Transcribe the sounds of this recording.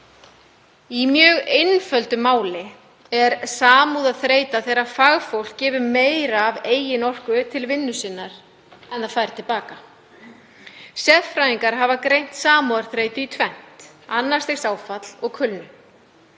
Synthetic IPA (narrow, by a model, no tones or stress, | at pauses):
imjœːɣejnfœlt̪ʏmaːwlɪ | ɛɾsaːmuðaðθɾeːjt̪aθejɾafaɣfowl̥kːɛːvʏmeːjɾaːveːjɪnɔr̥kʏt̪ʰɪlvɪnːʏsɪnːaɾ̥ | ɛnθaðfaːjɾt̪ʰɪlpaːka | sjɛðfɾajiŋkaɾɦavakɾejn̥t̪saːmuaɾ̥θɾeːjt̪ʏit̪ʰvɛn̥t̪ | anːḁst̪esaːwfat̪l̥ɔɣkʰʏlnʏ